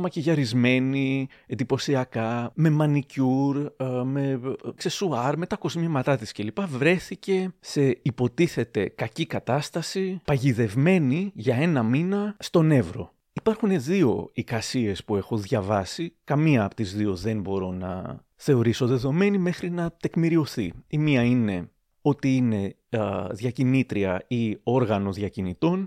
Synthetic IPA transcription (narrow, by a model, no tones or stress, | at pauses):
mɐceʝɐɾizme̞niend̪ipo̞siɐkɐme̞mɐnicuɾme̞ksesuɐɾme̞t̪ɐko̞zmimɐt̪ɐt̪isce̞lipɐvɾe̞θice̞se̞ipo̞t̪iθe̞t̪e̞kɐcikɐt̪ɐst̪ɐsipɐʝiðe̞vme̞niʝɐe̞nɐminɐst̪o̞ne̞vɾo̞̰ | ipɐɾxune̞ðio̞̰ikɐsie̞spue̞xo̞ðʝɐvɐsikɐmiɐːpo̥t̪izðio̞ðe̞nbo̞ɾo̞nɐ̰ | θe̞o̞ɾiso̞ðe̞ðo̞me̞nime̞xɾinɐt̪e̞kmiɾio̞θiimiɐine̞ | o̞t̪iine̞ | ðʝɐcinit̪ɾiɐio̞ɾɣɐno̞ðʝɐcinit̪o̞n